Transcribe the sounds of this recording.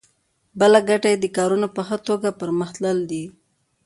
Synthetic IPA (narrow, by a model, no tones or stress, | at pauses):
bəlaɡaʈajed̪əkɑɾunopəxət̪oɡapəɾməxt̪ləld̪i